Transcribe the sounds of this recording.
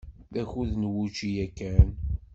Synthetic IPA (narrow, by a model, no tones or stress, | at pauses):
θæçuðnwut͡ʃijækːæn